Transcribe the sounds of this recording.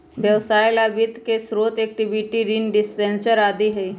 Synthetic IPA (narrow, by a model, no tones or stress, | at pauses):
bjəʋsaːɪlaʋɪd̪ʱkesɾoːt̪eːk̚ʈɪbiʈiɾinɖɪspɛ̃nsəɾaːd̪iɦɛi